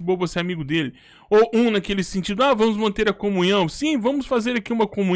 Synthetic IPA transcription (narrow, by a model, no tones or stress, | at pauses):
bovoseamiɡʊd̪elɪ | oʔũnakelɪsẽnt͡ʃid̪ʊavɐ̃mʊzmɐ̃nt̪eɾɐkomũɲɐ̃w̃sĩvɐ̃mʊsfazeɾakiũmɐkomũ